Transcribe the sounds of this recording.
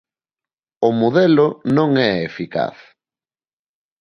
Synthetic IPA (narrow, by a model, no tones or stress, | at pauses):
ʊmoðɛlʊnõŋɛefika̰θ